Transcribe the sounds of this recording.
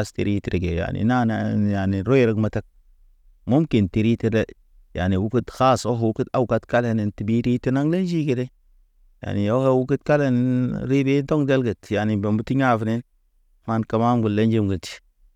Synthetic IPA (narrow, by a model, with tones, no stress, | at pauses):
stḭ˨ɾi˦ti˨ɾe˨ɡe˨ja̰˨nḭ˨na˦n˨ja˨ni˨ɾo˦i˦ɾə˦kma˨ta˦k̚ | mo˦mki˨nti˨ɾi˦ti˦ɾe˦ | ja̰˨ni˨wu˦ku˦txa˦˨so˦ɦwu˦ku˦ta˦wu˨ka˦tka˦le˨ni˨nti˨bi˦ɾi˦ti˦na˦ŋle˦nd͡ʒi˦ɡe˨de˦ | ja̰˨ni˨o˦he˦wu˦ku˦tka˦le˦˨n˨ɾi˦be˦do˦ŋde˦lɡə˨tja˨ni˨be˨mbu˦ti˦ɲa˦˨vne˦n | ma˦nka˦ma˦mɡu˨lːe˦nd͡ʒi˦mɡə˨ti̥˨